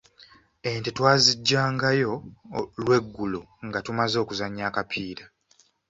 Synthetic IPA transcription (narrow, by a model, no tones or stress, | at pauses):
e̞ntetwaːziɟːaːŋɡajo̞lwe̞ɡːulo | ŋɡatumazo̞ːkuzaɲːaːkapʰiːɾa